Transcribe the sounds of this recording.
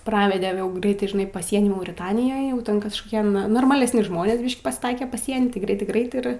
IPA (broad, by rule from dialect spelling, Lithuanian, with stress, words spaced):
ˈprɑːʋʲɛdʲɛ jɛʊ ˈɡrʲɛɪtɐɪ ʒʲɪˈnɐɪ pɐˈsʲiɛnʲiː mɐʊrʲɪˈtɑːnʲɪjoːj jɛʊ ˈtʲɛn kɐʃkoːˈkʲiɛ n noːrmɐlʲɛsʲˈnʲɪ ˈʒmoːnʲeːs ˈbʲiːʃʲkʲ pɐsˈtɐɪɛ pɐˈsʲiɛnʲiː tɐɪ ˈɡrʲɛɪtɐɪ ˈɡrɐɪt ˈɪr